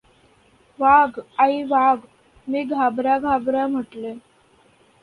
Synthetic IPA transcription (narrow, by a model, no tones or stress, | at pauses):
ʋaɡaiʋaɡ | miːɡʱabɾaɡʱabɾam̤əʈle